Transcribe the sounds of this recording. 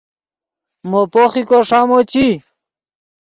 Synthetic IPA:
mopoχikoʂamot͡ɕi

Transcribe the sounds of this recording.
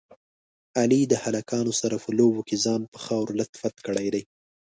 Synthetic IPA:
alid̪əhalakɑnosaɾafolobokezɑnpə̥xɑwɾlat̪fat̪kəɽajd̪aj

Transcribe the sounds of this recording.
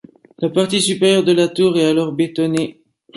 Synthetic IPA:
lapaʁt̪isypeʁjœʁd̪əlat̪uːʁɛt̪alɔʁbet̪ɔne

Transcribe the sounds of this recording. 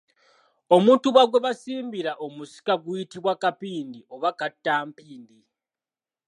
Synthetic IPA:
o̞muːntuβaɡweβasiːmbiɾaʔo̞musi̥kaɡujitiβwakapiːndiʔo̞βakatːaːmpiːndi

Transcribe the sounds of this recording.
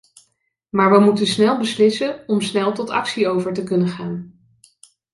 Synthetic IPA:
maːɹʋəmutənsnɛlˠbəslɪsəɔmsnɛlˠtɔtɑ̰ksiowvəɹtəkɵnənχaːn

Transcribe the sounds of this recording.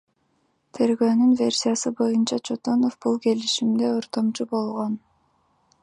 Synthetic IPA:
t̪ʰe̞ɾɡøːnynvʲe̞rʲsʲijasɯbo̞junt͡ʃɑt͡ʃʰot̪o̞no̞fbulˠke̞liʃimd̪e̞oɾt̪o̞mt͡ʃubo̞lˠʁo̞n

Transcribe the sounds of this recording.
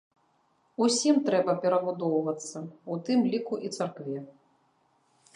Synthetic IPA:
usʲimt̪ɾɛbɐpʲɛɾɐbud̪ɔwvɐt̪sːɐut̪ɨmlʲikuʔit̪sarkvʲɛ

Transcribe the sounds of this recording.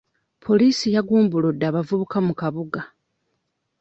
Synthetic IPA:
pʰo̞liːsijaɡuːmbulodːaːβavuβukamukaβuɡa

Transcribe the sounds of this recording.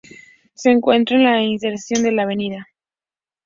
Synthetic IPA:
se̞ːŋkwe̞nt̪ɾoenlainse̞ɾsjo̞nd̪elaːβe̞niða

